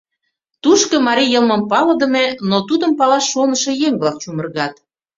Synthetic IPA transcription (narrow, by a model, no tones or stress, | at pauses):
t̪uʃkɤ̆mɑɾijɤlmə̆mpɑlɤ̆d̪ə̆menot̪ud̪ə̆mpɑlɑʃːonə̆ʃɤ̆jeŋblɑk̚t͡ɕumə̆rɣɑt̪